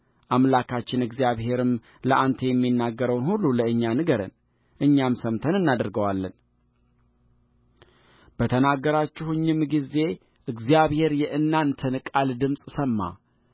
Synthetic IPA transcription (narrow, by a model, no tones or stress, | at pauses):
ʔamlakʰat͡ʃːɪnɨɡzjaβhe̞ɾɨm | ləʔant̪ʰejɛmːinːaɡːəɾəwnhulːuləɨɲːanɨɡəɾə̰n | ʔɨɲːamsəmt̪ʰənɨnːad̪əɾɡəwalːən | b̥ət̪ʰənaɡːəɾat͡ʃːɪhɨɲːɪmɡize̞ | ʔɨɡzijaβhe̞ɾjɛʔɨnːant̪ʰənɨkʼald̪ɨmsʼsəmːa̰